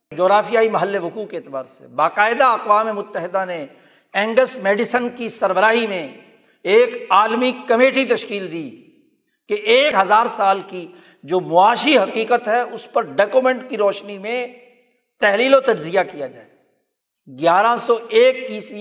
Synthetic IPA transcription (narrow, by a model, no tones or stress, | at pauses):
d͡ʒoːɣɾaːfijaːimɐɦəlːeɦʊkuːkːeːt̪ɪbaːɾsḛbaːqaːɪd̪aɐqwaːmemʊt̪ːəɦɪd̪ane | ɛ̃ːŋɡəsmeːɖɪsənkisɐɾbəɾaːɦimẽ | eːkaːlmikɐmeːʈit̪ɐʃkiːld̪iː | keʔeːkɦɐzaːɾsaːlki | d͡ʒoːmʊaːʃiɦɐqiːqət̪ɦɛʊspɐɾɖɔːkumɛ̃ɳʈkiɾɔːʃnimẽ | t̪ɛɦliːlot̪ɐd͡ʒzijakijad͡ʒaːe | ɡjaːɾasɔeːkiːsi